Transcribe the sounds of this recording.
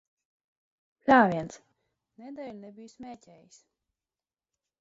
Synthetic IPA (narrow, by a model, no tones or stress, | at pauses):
lʲaːvʲiɛnt̪s | ned̪ɛːlʲunɛbʲijsmʲɛːcʲɛːjis